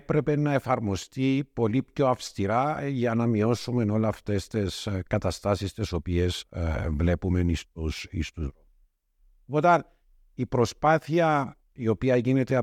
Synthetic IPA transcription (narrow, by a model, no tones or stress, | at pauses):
pɾe̞pe̞nɐe̞fɐɾmo̞st̪ipo̞lipço̞ɐfst̪iɾɐʝɐnɐmio̞sume̞no̞lɐft̪e̞st̪eskɐt̪ɐst̪ɐsist̪eso̞pie̞svle̞pumenisusist̪uzɾo | pot̪ɐn | ipɾo̞spɐθiɐ | io̞piɐʝine̞t̪eɐ